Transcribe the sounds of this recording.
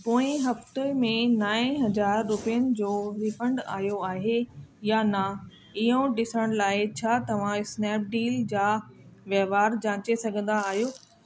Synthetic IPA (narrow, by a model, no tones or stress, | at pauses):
poːɪ̃ɦɐft̪emẽnaːɪ̃ɦɐzaːɾːʊpijənɪ̆d͡ʑoːɾifə̃ɳɖa̰ːɦijoaːɦejanɐ | iɦõɖɪsəɽ̃laːɪt͡ɕʰaːt̪ɐʋ̤ãɪsnɛːp̚ɖiːld͡ʑaːʋjɐʋaːɾd͡ʑãːt͡ɕesɐɡʱə̃nd̪aːɦijoː